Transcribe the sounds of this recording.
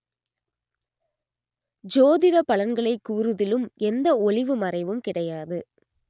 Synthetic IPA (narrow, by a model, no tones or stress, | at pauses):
d͡ʒoːðɪɾɐpɐɭɐnɡɐɭɐɪkːuːrɯðɪlɯmɛnd̪ɐɔɭɪʋɯmɐrɐɪʋɯmkɪɽɐjaːðɯ